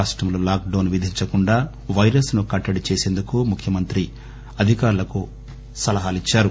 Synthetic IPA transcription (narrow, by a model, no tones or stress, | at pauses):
aːʂʈɾɐmloːlaːk̚ɖɐːnʋid̪ʱiɲt͡ʃɐkuɳɖaː | ʋɐjɾɐsnukɐʈːɐɽit͡ʃeːse̞ːnd̪ukumukʰjɐmɐnt̪ɾi | ɐd̪ʱikaːɾulɐku | sɐlɐɦaːlit͡ʃːaːɾu